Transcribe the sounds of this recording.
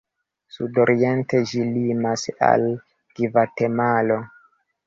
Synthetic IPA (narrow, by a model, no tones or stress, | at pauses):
sudo̞ɾie̞nted͡ʒilimasa̰l | ɡ̥ivate̞malo̞